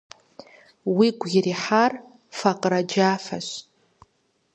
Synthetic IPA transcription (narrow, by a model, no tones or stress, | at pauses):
wiɡʷɡiriħar | faqʼrad͡ʒafa̰ʃʷ